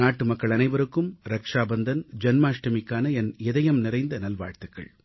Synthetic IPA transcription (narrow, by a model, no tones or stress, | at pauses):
naːʈːɯmɐkːɐɭɐnɐɪʋɐɾɯkːɯmɾɐkʂaːbɐnd̪ɐnd͡ʒɐnmaːʂʈɐmɪkːaːnɐɛnɛðɐjɐmnɪɾɐɪnd̪ɐnɐlʋa̰ːɻt̪ɯkːɐ̰ɭ